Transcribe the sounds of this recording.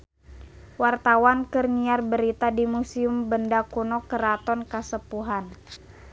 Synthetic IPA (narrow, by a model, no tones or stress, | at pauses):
wart̪awankərniarbəɾit̪adimusiumbəndakunɔkəɾat̪ɔnkəsəpuɦan